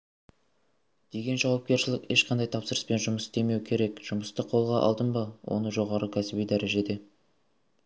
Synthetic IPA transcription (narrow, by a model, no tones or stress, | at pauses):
d̪̥e̞ɡʲe̞nʒɑwɑp̚kʲe̞ɾʃɪlɪkʲe̞ʃqʰɑnd̪ɑjt̪ʰɑpsəɾəspe̞nʒʊməsd̪e̞me̞wkʲʰe̞ɾe̞kʒ̥ʊməst̪əqʰo̞lˠʁɑʔɑ̰lˠd̪ənbɑwʔo̞̰nəʒo̞ʁɑɾəkʲʰæsɪbijd̪æɾe̞ʒe̞d̪e̞